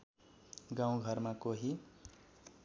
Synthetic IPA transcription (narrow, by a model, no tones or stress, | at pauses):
ɡãw̃ɡʱʌrmakoɦi